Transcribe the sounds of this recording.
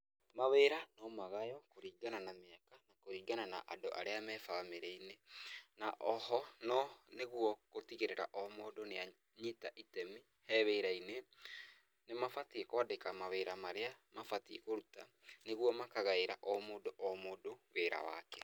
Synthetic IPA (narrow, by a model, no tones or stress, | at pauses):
maweːɾanɔmaɣajɔkoɾiːɡananameakanakoɾiːɡanana̰ʔadoʔa̰ɾeamɛfaameɾeinenaʔɔhɔnɔneɣwɔkotiɣeɾeɾa̰ʔɔmoːdonea | ɲitaʔitɛmi | hɛβeɾaine | nemafatiekɔdekamaweɾamaɾeamafatikoɾuta | neɣwɔmakaɣaeɾa̰ʔɔmoːdoʔɔmoːdoweːɾa̰wa̰kɛ